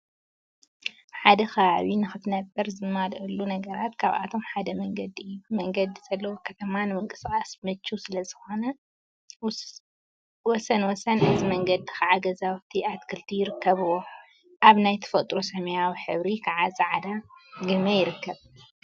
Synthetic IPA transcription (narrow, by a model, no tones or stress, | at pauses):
ħad̪ɐxɐβaβinɨxɨt̪nɐbɐɾzɨmalʔɨlːunɐɡɐɾat̪kʰaβa̰t̪ʰo̞mħad̪ɐmɐŋɡɐd̪iumɐŋɡɐd̪iz̥ɐlːɐwokʰɐt̪ʰɐmanɨmɨŋkʼɨskʼasmɨt͡ʃːusɨlɐzɨxo̞nɐ | wɔsɐnwɔsɐnɨzimɐŋɡɐd̪ikʰaʕaɡɐzawt̪ʰiʔat̪kʰɨlt̪ʰijɪɾɨkːɐβɨwo̞ | ʔaβnajt̪ʰɐ̥fɐt̪ʼɾosɐmɐjawħɨβɾikʰaʕazʼɨʕad̪aɡɨmɐjɪɾɨkːɐβ